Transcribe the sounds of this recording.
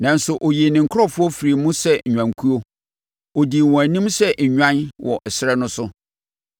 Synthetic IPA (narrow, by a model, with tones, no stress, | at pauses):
nã˨n̩˦sʊ˨ʔo˨je˨nɪ̃˨ŋ̩˨kʰɔ˦fʊ˦ɔ˦fi˨ɾi˨mũ˦sɛ˦˨ɲᶣã˨ŋ˨kʰu˦o˦ | o˨di˨wɔ̃˨æ˨nĩ˦msɛ˦ɲ˨ɲᶣã˦nwʔɔ̰˨ʔɛ˨sɪ˦ɾɛ˦nʊ̃˦sʊ˦